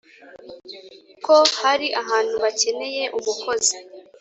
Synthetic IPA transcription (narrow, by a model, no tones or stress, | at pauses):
ko̞haɾiʔaɦaːn̥huβace̞ne̞je̞ʔuβuko̞zi